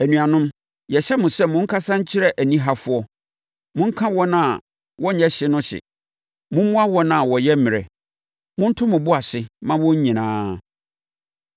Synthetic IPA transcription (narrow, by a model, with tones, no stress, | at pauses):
æ˨nũ˨a˨nʊ̃˦m | jɛ˨ɕɛ˦mʊ̃˨sɛ˦˨mʊ̃˦ŋ̩˦kʰa˦sã˦ɲ̩˦t͡ɕʰɪ˦ɾɛ˦ʔæ˨nĩ˦ɦa˦fʊ˦ɔ˦ | mʊ̃˦ŋ̩˦kʰã˦wɔ̃˦nã˦˨ | wɔ˦ɲ̩˦ɛ˦ɕɪ˦nʊ̃˦ɕɪ̰˨ | mʊ̃˦mʊ̃˦a˦wɔ̃˦nã˨wɔ˨jɛ˦mɪ̃˨ɾɛ̰˨ | mʊ̃˦n̩˦tʰʊ̃˦mʊ̃˨bʊ˦a˨sɪ˨mã˦wɔ̃˦ɲ˦ɲĩ˨nãː˦